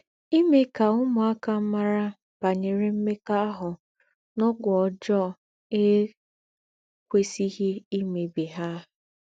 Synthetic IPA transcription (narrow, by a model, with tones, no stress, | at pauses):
i˦me˦ka˨ʊ˦mʊ˨a˦ka˨m̩˦ma˦ɾa˦ | b̥a˨ɲe˨ɾe˨m̩˦me˦ka˦a˦ɦʊ˨ | nɔ˦ɡʷɔ˨d͡ʒɔ˦˨ | e˦ | kʷe˦si˦ɣe˦i˦me˨be˨ɦa˦˨